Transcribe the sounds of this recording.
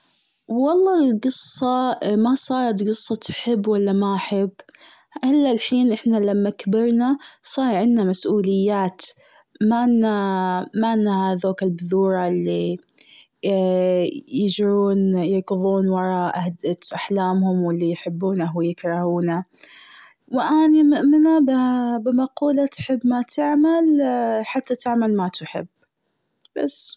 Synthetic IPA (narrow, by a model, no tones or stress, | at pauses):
wɑlˤːɑːlɡɨsˤːɑmasˤɑːɾˤɑt̪ɡɨsˤːɑt̪ħɪbːwalːamaʔħɪbː | ʔɪlːalħiːnʔɪħnalamːakabɪɾˤnasˤɑːɾˤʕɪnnamasʔuːlɪjːaːt̪ | maʔnːamaʔɪnːhaðoːkɪlbʊðuːɾˤɑlːi | jɪd͡ʒɾuːnjɑɡʊðˤuːnwɑɾˤɑʔahd̪at̪ʔaħlaːmhʊmwɪlːijħɪbːuːnaɦwɪjɪkɾˤɑhuːna | wɪʔanimɪʔmɪnabbɪmɑquːlat̪ħɪbːmat̪ʰɪʕmalħat̪ːat̪ɪʕmalmat̪ħɪ̰bː | b̥a̰sː